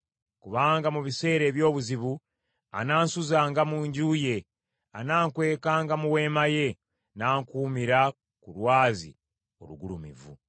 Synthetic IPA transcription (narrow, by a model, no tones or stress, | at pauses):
kuβaːŋɡamuβise̞ːɾe̞ːβjo̞ːβuziβu | a̰naːnsuzaːŋɡamuːɲɟuːje̞ | anaːŋkwe̞ːkaːŋɡamuwe̞ːmaje̞ | naːŋkuːmiɾa | kulwaːzḭ | oluɡulumḭvṵ